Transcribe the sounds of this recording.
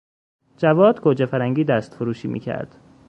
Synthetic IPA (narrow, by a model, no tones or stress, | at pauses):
d͡ʒævɒːd̪kʰod͡ʒefæɾæŋɟiːd̪æst̪foɾuːʃiːmʔḭːcʰæ̰ɾd̪̥